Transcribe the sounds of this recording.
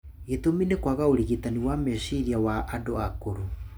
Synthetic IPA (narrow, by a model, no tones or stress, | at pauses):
etominekwaɣaoɾiɣitaniwamesiɾiawaʔandoakoɾo